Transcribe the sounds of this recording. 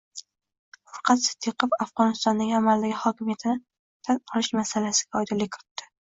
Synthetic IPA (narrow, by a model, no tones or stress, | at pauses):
ʊɾqʰɑt̪sɪ̥d̪̥ːiqɨpafʁɒnɪst̪ɒnd̪aŋʲamald̪aɡʲɪhɒkʲɪmijat̪ʰɪnɪ | t̪ʰanqʰɒlɪʃmasalasɪ̥ɡʲaɒjd̪ɪlɪkʰʲɪɾɪt̪ːɪ̥